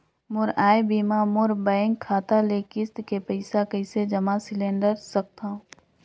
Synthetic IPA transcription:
mʊɾaːjbiːmamʊɾbəẽŋɡkʰaːt̪alekɪst̪kepəɪsakəɪsed͡ʒɐmasɪlẽːɳɖəɾsɐk̚t̪ã

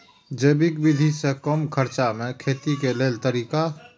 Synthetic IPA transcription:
d͡ʒəːbikbid̪ʱisekəmkʰəɾt͡ʃamẽkʰeːt̪ikeleːlt̪əɾiːka

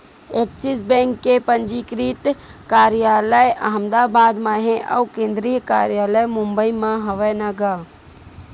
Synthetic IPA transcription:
eːk̚sisbɛ̃ːŋkːepənd͡ʒikɾiːt̪kaːɾijaːləja̰ɦəmd̪aːbaːd̪mãːɦẽʔɐ̰ukẽːnd̪ɾijkaːɾjaːləjmʊmbəimãɦɐʋənaɡaː

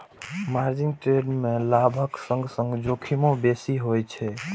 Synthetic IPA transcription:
maɾd͡ʒiŋɡʈɾeɖmelabʱəksə̃ŋɡsə̃ŋɡd͡ʒokʰimõbesiɦojt͡ʃʰɛ

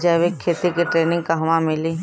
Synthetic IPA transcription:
d͡ʒaːʋekʰːeːt̪ikiʈɾeːnɪ̃ŋɡkaɦʋamɪli

